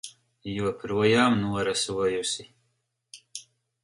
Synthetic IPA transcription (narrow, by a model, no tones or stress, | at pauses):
jupɾuɔjɑːmnuɔɾaswajusi